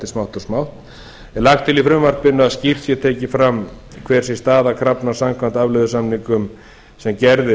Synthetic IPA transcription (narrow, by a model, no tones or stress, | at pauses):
t̪ɪsmawht̪ɔsmawht̪ | ɛlaxt̪ʰɪlifɾʏmvaɾpɪnːʏaðscir̥t̪sjɛt̪ʰɛːcɪfɾamː | kʰvɛːɾ̥sjɛst̪aːðakʰɾapnasamkʰant̪avlʏðʏsamniŋkʏm | sɛmcɛɾðɪ